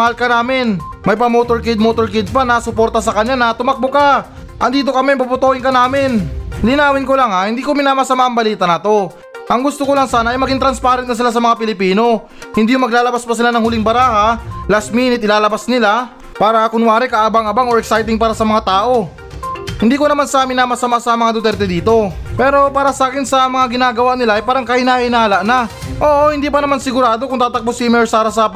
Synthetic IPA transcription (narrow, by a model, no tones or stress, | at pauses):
ɐhalkɐnaːmɪnmɐjpɐmot̪oɹkɛd̪̚mot̪oɹkɛd̪̚panasʊpo̞ɾt̪ɐsɐkɐɲːanɐt̪ʊmɐk̚boka | ʔɐŋd̪iːt̪̬o̞kɐmɛbɐbʊt̪oːhɪnkɐnaːmɪnlɪnaːwɪnkolaŋahɪnd̪iːkomɪnaːmasɐmaʔɐŋbɐliːt̪ɐnɐt̪o̞ | ʔɐŋɡʊst̪okolɐŋsaːnɐʔɐjmɐɡiŋt̪ɾɐnspaːɾɛnt̪̚nɐs̬ɪlas̬ɐmɐŋapɪlɪpiːno̞ | hɪnd̪iːjʊmɐɡlaːlɐbaspɐsɪlanɐŋhʊlɪŋbɐɾaːhalast̪̚miːnɪt̪ʔɪlaːlɐbasnɪla | paːɾɐkʊnwaːɾɛkɐʔaːbaŋɐbaŋoɹɛksajt̪ɪŋpaːɾɐsɐmɐŋat̪aːʔo̞ | hɪnd̪iːkonɐmansaːmɪnɐmɐsɐmaʔsɐmɐŋad̪ot̪ɛɾt̪ɛd̪iːt̪o̞pɛːɾo̞paːɾɐsɐaːkɪnsɐmɐŋaɡɪnaːɡɐwaʔnɪlaʔɐjpaːɾɐŋkɐɪnaːʔɪnaːlɐʔna | ʔo̞ːʔohɪnd̪iːpɐnɐmansɪɡʊɾaːd̪o̞kʊŋt̪aːt̪ɐk̚bosimɛɹsaːɾɐsɐ